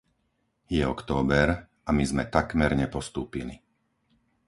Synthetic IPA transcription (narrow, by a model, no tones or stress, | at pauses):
jɛɔkt̪ɔːbɛɾ | ʔamizmɛt̪akmɛɾɲɛpɔst̪uːpili